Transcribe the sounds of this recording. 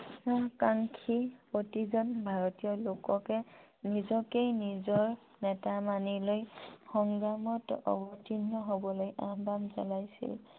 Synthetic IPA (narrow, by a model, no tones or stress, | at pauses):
nakaŋkʰipotizɔnbʱaɹɔtijɔlokɔkɛ | nizɔkejnizɔɹ | nɛtamanilojxɔŋɡɹamɔtɔ̰bɔtʰinːɔɦobɔlojabamzalajsḭl